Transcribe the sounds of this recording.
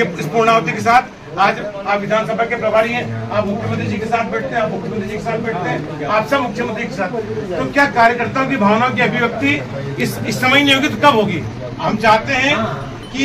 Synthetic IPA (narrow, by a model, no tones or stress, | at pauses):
eɪspuːɾɳ̃aːt̪ikes̬aːt̪ʰ | aːd͡ʒ | aːpʋɪd̪ʱaːnsɐbʱakepɾɐbʱaːɾiɦɛ̃aːpmʊkʰjəmɐ̃nd̪ɾid͡ʒiːkesaːt̪̚ʰbɛːʈ̚ʰt̪eɦɛ̃aːpmʊkʰjəmənd̪ɾd͡ʒikesaːt̪̚ʰbɛːʈʰt̪eɦɛ̃ː | aːpsɐbmʊkʰjəmə̃nd̪ʰɾikesaːt̪̚ʰt̪okjaːkaːɾjəkɐɾt̪aɦõkibʱaːʋnãk̬iɐbʱiʋjɐk̚t̪i | ɪsɪsːɐməjnjoɡit̪kɐbɦoːɡiː | ɦɐmt͡ʃaːɦt̪eɦɛ̃ | ki